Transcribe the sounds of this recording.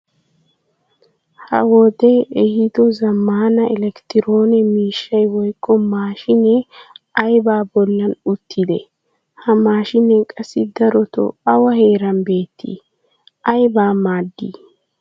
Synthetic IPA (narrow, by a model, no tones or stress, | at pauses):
hɐ̰wɔd̪ɛɛhɪd̪ɔzɐmːaːnɐɛlɛkt̪ɪɾoːnɛmiːʃːɐjwɔjkːɔmaːʃɪnɛɐjbaːbɔlːɐnʊt̪ʰːɪd̪ɛ | hɐmaːʃɪnːɛkʼɐsːɪd̪ɐɾɔt̪ɔ̰ɐwɐhe̞ːɾɐnbeːt̪ːḭ | ʔɐjbaːmaːd̪ːḭ